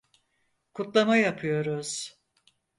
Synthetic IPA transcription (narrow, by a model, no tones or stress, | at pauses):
kʰut̪lˠamajapʰɯjo̞ɾuz̥